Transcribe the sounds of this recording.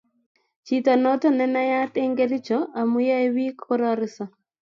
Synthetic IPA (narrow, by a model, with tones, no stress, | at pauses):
t͡ʃi˦tɔ˨nɔ˦tɔ˦nɛ˦na˦ja˦t̪e˦ŋɡe˦ɾɪ˦t͡ʃɔ˨a˨mʊ˦ja˦e˦wi˦kʰɔ˦ɾɔ˦ɾɪ˦sɔ˨